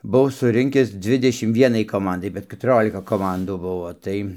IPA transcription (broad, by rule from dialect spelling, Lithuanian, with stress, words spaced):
bʊˈʋɐʊ sʊˈrʲɪŋʲkʲɪs ˈd͡zʲʋʲɪdʲɛʃʲɪm ˈʋʲiɛnɐɪ koːˈmɐndɐɪ bʲɛt kʲɛtʊˈrʲoːlʲɪkɐ koːˈmɐnduː ˈbʊʋoː ˈtɐɪ